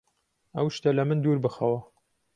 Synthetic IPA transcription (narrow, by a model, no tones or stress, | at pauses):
ɐwʃt̪ɐlɐmɨnd̪uɾbɨxɐwɐ